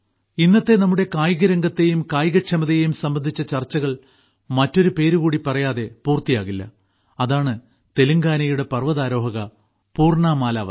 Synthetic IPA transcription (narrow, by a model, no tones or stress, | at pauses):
inːɐt̪ːenɐmːuɽe̞kaːjɣɐɾɐŋɡɐt̪ːe̞jumkaːjɣɐʈʂɐmɐðejejumsɐmbɐnd̪ʱit͡ɕːɐt͡ɕɐrt͡ɕːɐɣɐɭ | mɐtːo̞ɾupe̞ːɾuɣuːɽipɐrɐjaːðe̞puːrt̪ːijaːɣilːɐ̰ | ɐðaːɳɨ | t̪e̞luŋɡaːnɐjuɽe̞pɐrʋɐðaːɾo̞ːɦɐɣɐ | puːrɳaːmaːla̰ːʋɐ̰